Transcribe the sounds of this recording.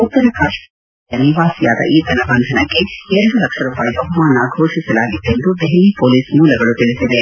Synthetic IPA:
ut̪ːɐɾɐkaːʃ | ɐniʋaːsija̰ːd̪ɐ̰ʔiːt̪ɐnɐbɐnd̪ʱɐnɐkːeɛɾɐɽulɐkʂɐɾuːpaːjib̪ɐɦmaːnaɡʱoːʂisɐlaːɡid̪ːend̪ub̪eɦɛliːpoːliːsmuːlɐɡɐɭut̪iɭisid̪e

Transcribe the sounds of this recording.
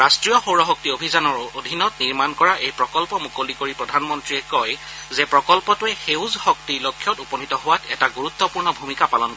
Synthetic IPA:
ɹastɹijɔxowɹɔɦɔk̚tiobʱizanɔɹodʱinɔtniɹmankɔɹaʔejpɹɔkɔlpɔmukolikoɹipɹɔdʱanmɔntɹiɛkɔj | zɛpɹɔkɔlpɔtʊɛxewzhɔk̚tilokʰːjɔtupɔnitɔɦʊwatɛtaɡuɹut̪ːɔpuɹnɔbʱumikapalɔnkɔ

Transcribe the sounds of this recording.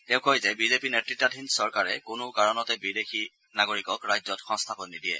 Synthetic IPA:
tɛʊ̃kojzɛbizepinetɹitːadʱinsɔɹkaɹɛkʊnʊkaɹɔnɔtɛbidexi | naɡoɹikɔkɹajzɔtxɔ̃ŋstʰapɔnːidiɛ̰

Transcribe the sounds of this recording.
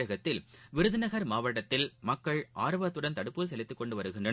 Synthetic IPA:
ɐɣɐt̪ːɪlʋɪɾɯðɪnɐɣɐɾmaːʋɐʈːɐt̪ːɪlmɐkːɐɭʔaːɾɯʋɐt̪ːɯɽɐnt̪ɐɽɯpːɯs̬ɛlɪt̪ːɯkːɔɳɖɯʋɐɾɯɣɪndrɐ

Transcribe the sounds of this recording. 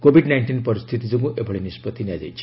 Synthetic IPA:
kobʱiɖnajɳʈinpɔɾist̪ʰit̪id͡ʒɔŋkuʔebʱɔɭenispɔt̪ʰinjad͡ʒa̰jt͡ʃʰi̥

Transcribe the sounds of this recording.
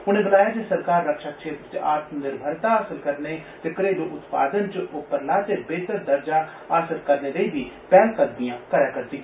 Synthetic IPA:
ɦʊñẽːbəlaːjaːd͡ʒesəɾkaːɾːəkʃaːkʃeːt̪ɾət͡ʃa̰ːt̪mnɪɾbʱəɾt̪aːaːsəlkəɾneːt̪eːkəɾeːd̪oːʔʊt̪pa̰ːd̪ənt͡ʃʊpːəɾlaːt̪eːbeːt̪əɾd̪əɾd͡ʒaː | aːsəlkəɾneːleiːbiːpɛːlkəd̪mijãːkəɾjaːkəɾt̪iː

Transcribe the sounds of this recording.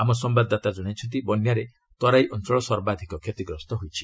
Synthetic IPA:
amɔsɔmbad̪at̪ad͡ʒɔɽ̃at͡ʃʰɔnt̪̬ibɔnjaɾe | t̪ɔɾajʔɔnt͡ʃɔɭɔsɔɾbad̪ʱikɔkʰjet̪iɡɾɔst̪ɔɦojt͡ʃʰi̥

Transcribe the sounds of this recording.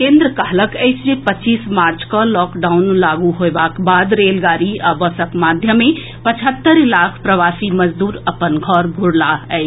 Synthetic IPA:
kẽːnd̪ɾəkaɦləkɛɪsʰd͡ʒepətːt͡ʃːiːsmaːɾt͡ʃkɔlɔːkɖaːʊnlaːɡuɦobaːkbaːd̪ɾeːlɡaːɾiabəsəkmaːd̪ʱjəmẽ | pət͡ʃʰət̪ːəɾlaːkʰpɾəʋaːsiməd͡ʒd̪uːɾəpənɡʱɔːɾɡʱʊɽlaɛɪ

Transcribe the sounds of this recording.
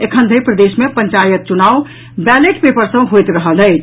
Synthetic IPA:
ekʰənd̪ʱəjpɾəd̪esmepəɲt͡ʃajət̪̚t͡ʃunaw | bæleʈpepəɾsə̃ɦojt̪ɾəɦələ

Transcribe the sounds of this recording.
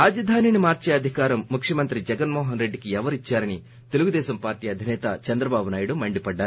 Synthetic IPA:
aːd͡ʒɐd̪ʱaːninimaːɾt͡ʃeːɐd̪ʱikaːɾɐmːukʂjɐmɐnt̪ɾid͡ʒɛɡɐnmɔːɦɐnɾe̞ɖːikiɛʋɐɾit͡ʃːaːɾɐni | t̪e̞luɡud̪ɛːʃɐmpaːɾʈiːɐd̪ʱinɛːt̪ɐt͡ʃɐnd̪ɾɐbaːbunaːjuɽumɐɳɖipɐɖːaːɾuu

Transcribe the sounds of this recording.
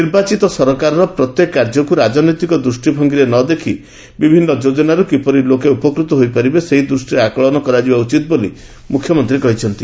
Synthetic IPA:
niɾbat͡ʃit̪ɔsɔɾɔkaɾɔɾɔpɾɔt̪jekkːaɾd͡ʒɔkuɾad͡ʒɔnɔjt̪ikɔd̪ɾusʈibʱɔŋɡiɾenɔd̪ekʰi | bibʱinːɔd͡ʒod͡ʒɔnaɾukipɔɾilokeupɔkɾut̪ɔɦojpaɾibeseɦid̪ɾusʈiɾeakɔɭɔnɔkɔɾad͡ʒibaut͡ʃit̪̚boli | mukʰjɔmɔnt̪ɾikɔɦit͡ʃʰɔnt̪i

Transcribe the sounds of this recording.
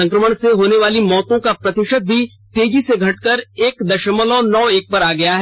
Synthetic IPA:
ɐ̃ŋkɾəməɽ̃seɦoːneʋaːlimɔːt̪õkapɾɐt̪ɪʃək̪̚bʱi | t̪eːd͡ʒiseɡʱɐʈkəɾeːkd̪ɐʃəməlõːnɔːeːk̚pɐɾaːɡɐjaɦɛ

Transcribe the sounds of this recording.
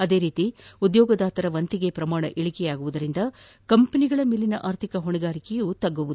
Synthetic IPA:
ɐd̪e̞ːɾiːt̪iud̪jɔːɡɐd̪aːt̪ɐɾɐʋɐnt̪iɡepɾɐmaːɳɐ̰ʔiɭikɛjaːɡuʋud̪ɐɾind̪ɐ | kɐmpɐniɡɐɭɐmilːinɐʔaːɾt̪ʰikɐɦoɳɛɡaːɾikɛjɐut̪ɐɡːuʋud̪u

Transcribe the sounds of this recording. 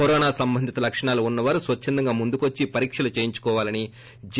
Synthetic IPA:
ɔɾɔːnaːsɐmbɐnd̪ʱit̪ɐlɐkʂɐɳaːluunːɐʋaːɾusʋɐt͡ʃːɐnd̪ɐŋɡaːmund̪ukʋɐt͡ʃːipɐɾiːkʂɐlut͡ʃeːjiɲt͡ʃu̥kɔːʋaːlɐni | d͡ʒ

